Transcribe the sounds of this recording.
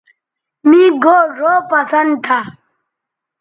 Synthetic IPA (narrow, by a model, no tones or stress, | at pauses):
mĩɡoːɾoːpɐsɐnd̪t̪ʰa